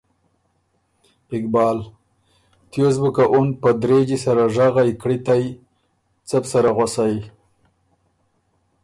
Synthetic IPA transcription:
ɪk̚bɑːl | t̪jozbukaʔunpəd̪ɾed͡ʒisaɾaʐaɣajkɽit̪aj | t͡sapsaɾaɣwasaj

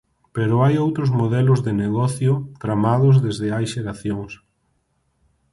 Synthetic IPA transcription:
peɾʊajowt̪ɾʊzmoð̞ɛlʊzðɪneɣɔθjʊt̪ɾamaðʊzðezðɪajʃeɾaθjoŋs

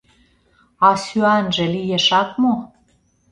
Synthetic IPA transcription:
ɑsyænʒĕlijeʃɑk̪mo

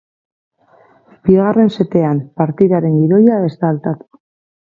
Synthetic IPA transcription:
biɣare̞nse̞t̪e̞ampaɾt̪iðaɾe̞ŋɡiɾo̞jaest̪alt̪at̪u̥

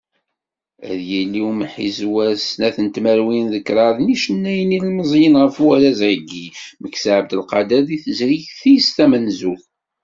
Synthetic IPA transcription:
æ̰ðjilːiwməħizwæsnæθənt̪mæɾwinðəkːɾˤɑðˤniʃənːæjnilməzˤjənʁəfwæɾæzʕəɡːiməkːsʕəb̚d̪əlqɑd̪æliθəzɾiçθijst̪æmənzul

